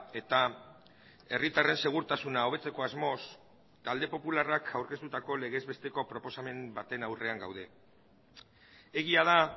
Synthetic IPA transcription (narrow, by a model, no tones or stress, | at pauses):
e̞t̪a | e̞rit̪are̞nse̞ɣ̞uɾt̪asunao̞β̞e̞t͡se̞ko̞azmo̞s | t̪ald̪e̞po̞pularakʰawɾke̞st̪ut̪ako̞le̞ɣe̞zβe̞st̪e̞ko̞pɾo̞po̞same̞mbat̪e̞nawre̞aŋɡa̰wð̞e̞ | eɣiað̞a